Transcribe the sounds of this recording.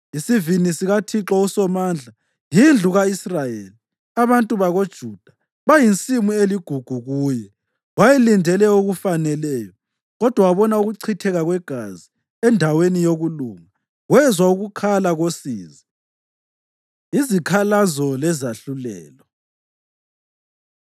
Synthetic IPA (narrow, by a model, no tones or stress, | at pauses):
isivinisiɣatʰiǁɔusɔmaːnd͡ɮʱa | jind͡ɮʱuɣaisrajeli | aβantʼuβaɣod̥ʒ̥ʱud̥ʱa | βajint͡sʼimueliɡ̥ʱuɡ̥ʱuɣuːjɛ | wajɛlindʱɛlɛuɣufanɛlɛːjɔ | ɣɔd̥ʱwawaβɔnauɣuǀʰitʰɛɣaɣwɛɡ̥ʱazi | ɛndʱawenijoɣuluŋa | ɣwɛzwauɣukʰalaɣosḭːzi | izikʰalazɔlɛzaɬulɛ̰ːlɔ